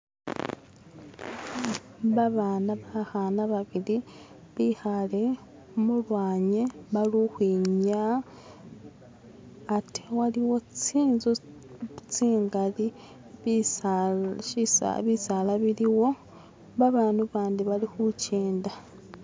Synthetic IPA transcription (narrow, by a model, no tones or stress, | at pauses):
βaβaːnaβaxanaβaβili | βixale̞ | mulwaːɲeβaluxwiːɲa | ti̥waliwo̞t͡siːnzu | t͡siːŋɡali | isa̰βisalaβiliwo̞ | βaβaːnuβaːndiβalixuceːnda